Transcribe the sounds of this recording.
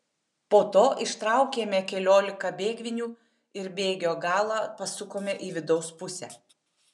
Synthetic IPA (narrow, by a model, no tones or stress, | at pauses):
poːt̪oːʔɪʃt̪ɾɑˑʊkʲeːmʲɛkʲɛlʲoːlʲɪkɐbʲeːɡʲʋʲɪnʲuː | ɪɾbʲeːɡʲoːɡɑːlˠɑːpɐsʊkoːmʲɛʔiːʋʲɪd̪ɒʊspʊsʲɛ̰ː